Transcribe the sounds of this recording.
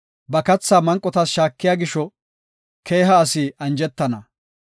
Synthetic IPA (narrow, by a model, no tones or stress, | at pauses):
bɐkɐt͡sːaːmɐŋkʼːɔt̪ɐsʃaːkːɪjaːɡɪʃɔ | kʰeːɦɐːsɪɐnd͡ʒɛt̪ːɐnɐ